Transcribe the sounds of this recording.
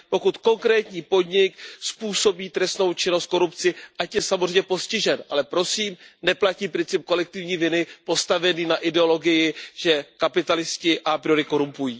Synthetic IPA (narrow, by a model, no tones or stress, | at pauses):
po̞kut̪ko̞ŋkɾɛːt̪ɲiːpo̞dɲɪk̚spuːso̞biːt̪ɾɛst̪no̞wt͡ʃɪno̞st̪̚ko̞ɾupt͡sɪʔacjɛsamozr̝ɛjmɲɛpo̞scɪʒɛnʔalɛpɾo̞siːmnɛplaciːpɾɪnt͡sɪp̚ko̞lɛk̚t̪ɪvɲiːvɪnɪpo̞st̪avɛniːnaʔɪdɛo̞lo̞ɡɪjɪʒ̥ɛkapɪt̪alɪscɪʔapɾɪjoɾɪko̞ɾumpujiː